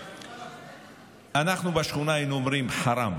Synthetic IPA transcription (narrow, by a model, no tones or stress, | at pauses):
anaqnubaʃχunajnumɾimħaɾam